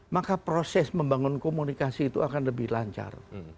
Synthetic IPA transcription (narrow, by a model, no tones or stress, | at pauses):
makapɾosɛsməmbaŋʊnkomunikasiːt̪uakanləbɪhlaɲt͡ʃa̰r